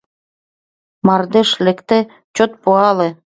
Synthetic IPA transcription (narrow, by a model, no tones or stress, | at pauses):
mɑrd̪eʃlĕkt̪ĕ | t͡ɕot̪̚puɑlĕ